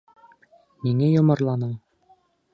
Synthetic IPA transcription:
miŋæjŏmɤ̆ɾlˠɑnɤm

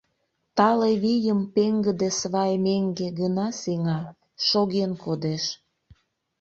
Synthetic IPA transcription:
t̪ɑleβijəmpeŋɡəd̪esβɑjmeŋɡeɡənɑseŋɑ | ʃoɣenkod̪eʃ

